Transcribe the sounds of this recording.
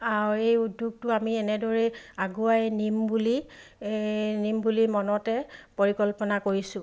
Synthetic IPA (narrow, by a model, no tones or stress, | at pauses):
aɹejudʱjuɡ̚tʊamiɛnɛdɔɹɛaɡuajnimbuli | nimbulimɔnɔtɛpoɹikɔlpɔnakoɹisʊ̃